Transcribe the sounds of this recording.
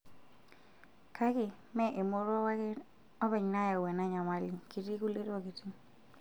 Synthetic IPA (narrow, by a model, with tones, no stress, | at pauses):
ka˦kɪ˨ | mɛ˦ʔe˨mo˦ɾɔ˦ | ɔ˦bɛ˨ɲna˦ja˨wɛ˨na˦ɲa˨ma˦lɪ˨ki˨ti˦ku˦le˦to˦ki˨ti˦